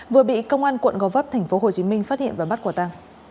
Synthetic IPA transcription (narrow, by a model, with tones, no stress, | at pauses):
vɨ˨˩əɓḭ˧˨kə˧wŋ͡mʔaː˧nkwə̰˧˨nɣɔ˨˦vəː˦˥p̚t̪ʰɛ˨˩jŋ̟fo˨˦ɦo˨˩t͡ɕi˨˦mï˧ŋ̟faː˦˥t̚hḭ˧˨ənva˨˩ɓa˦˥t̚kwaː˨˧˩t̪a˧ŋ